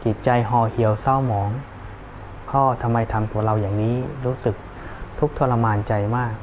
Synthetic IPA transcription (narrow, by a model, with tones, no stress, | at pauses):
t͡ɕi˨˩t̪̚t͡ɕa˧jɦɔː˧˩hi˩˦əwsa˥˩wmɔː˩˦ŋ | pʰɔː˥˩t̪ʰa˧mːa˧jt̪ʰa˧mt̪u˧˩ɐɾa˧wjaː˨˩ŋniː˦˥ɾuː˦˥sɯ˨˩k̚ | t̪ʰu˦˥k̚t̪ʰoː˧la˧maː˧nt͡ɕa˧jmaː˥˩k̚